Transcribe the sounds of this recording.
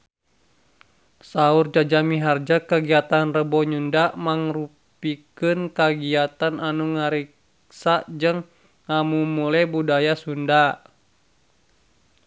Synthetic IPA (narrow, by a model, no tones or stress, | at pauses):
saurd͡ʒad͡ʒamiɦard͡ʒakaɡiat̪anrəbɔɲundamaŋru | pikɨnkaɡiat̪ananuŋaɾik | sad͡ʒəŋː | amumulɛbudajasunda